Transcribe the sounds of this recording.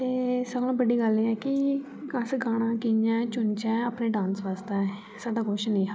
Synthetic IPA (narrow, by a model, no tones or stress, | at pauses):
t̪eːsəbnãːbəɖiːɡəleːɛːkɪ | kãːsɡaːɽ̃ãːkijãːt͡ʃʊnt͡ʃɛ̃ːəpneːɖãːnsʋaːst̪aːɛː | saːɖaːkʊʃnĩːɦa